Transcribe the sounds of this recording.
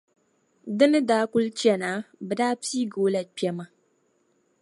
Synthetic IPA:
dɨ˦nɨ˦daː˦kʊ˦lt͡ʃi˦ɛ˦˨naː˦bɛ˨daː˦piː˦ɡoː˦la˨pi˦ɛ˦ma˦

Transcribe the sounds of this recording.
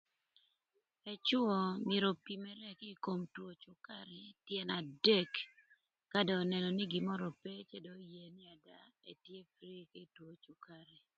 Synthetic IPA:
ɛ˨t͡ʃʊ˦ɔ˨mje˨ɾo˨pi˨mɛ˦ɾɛ˦ki˦ko˨mtwo˨t͡ʃʊ˦ka˦ɾɛ˨tjɛ˨na˨de˦kː | a˦dɔː˨nɛ˨nɔ˨ni˦ɡi˨mɔ˦ɾɔ˨pe˦t͡ʃɛ˦do˨˦je˨nɪ˦a˨da˨e˨tje˦fɾi˦ke˦i˨two˨t͡ʃʊ˨ka˦ɾɛ˨

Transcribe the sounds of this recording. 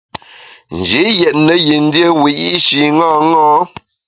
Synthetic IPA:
n̩˨d͡ʒi˨˦jɛ˨t̚nə˨ji˨n̩˦dje˦wi˨ʔi˦ʃi˨ŋɔ˦˨ŋɔ˦

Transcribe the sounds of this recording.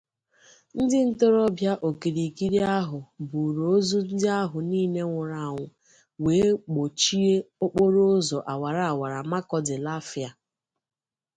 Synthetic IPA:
n̩˦dɪ˦n̩˦to˦ɾɔ˦bja˦ʔo˨ki˨ɾi˨ki˦ɾi˦a˦ɦʊ˨bu˨ɾo˨o˦zu˦n̩˦dɪ˦a˦ɦʊ˨niː˦ne˦ŋʷʊ˨ɾa˨ŋʷʊ˨ | weː˨˦k͡po˨t͡ʃi˦e˦o˦k͡po˦ɾo˦o˦zɔ˨ʔa˨wa˨ɾa˨a˨wa˨ɾa˨ma˦kɔ˦dɪ˨la˦fɪ˨a˨

